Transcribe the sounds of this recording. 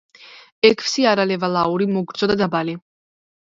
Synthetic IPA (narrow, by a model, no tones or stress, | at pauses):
ɛkʰfsiaɾalɛvalauɾimɔɡɾd̪zʼɔd̪ad̪abali